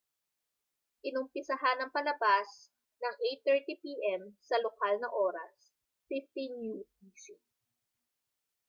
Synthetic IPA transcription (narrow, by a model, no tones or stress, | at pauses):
ʔɪnʊmpɪsɐɦanɐŋpɐlɐbas | nɐŋʔejt̪ːɛɹt̪ipiːʔɛmsɐlokalnɐʔoːɾɐs | fift̪injud̪isi